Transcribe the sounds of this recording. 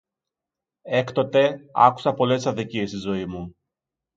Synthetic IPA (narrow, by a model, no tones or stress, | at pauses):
e̞kt̪o̞t̪e̞ɐ̰ku̥sɐpo̞le̞ssɐðiciest̪izo̞imu